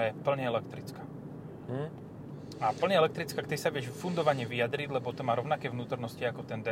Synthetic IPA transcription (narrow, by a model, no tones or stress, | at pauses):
ajɛpl̩ɲɛɛlɛkt̪ɾit͡ska | apl̩ɲɛɛlɛkt̪ɾit͡skakt̪isaʋɪɛʒfund̪ɔʋaɲɛʋijad̪ɾiɟ̪lɛbɔt̪ɔmaːɾɔʊnakɛːʋnuːt̪ɔɾnɔsciakɔt̪ɛnd̪ɛ